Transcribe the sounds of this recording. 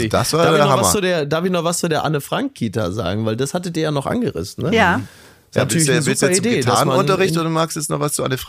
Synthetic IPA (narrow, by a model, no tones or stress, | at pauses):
ɪçd̥asv̥ḁːaːdɪçɐnɔhavamɐst͡suːdeːɐdaɐfɪçnɔχvast͡sudeːɐʔanəfʁ̥aŋkʰːiːtɐ̰za̰ːɡŋ̩vaɪldashatədiːɐjaːnɔχʔa̰nɡəʁɪ̰sn̩nəja | snayɐlɪçnəzustɐideːtʰasnmaʊntɐʁɪçtoːdumaːkstɛsnɔvast͡suʔanəf